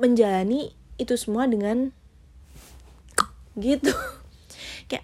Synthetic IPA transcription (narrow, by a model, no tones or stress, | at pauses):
məɲd͡ʒalaniː | t̪usəmuadəŋan | ɡit̪u | kaja̰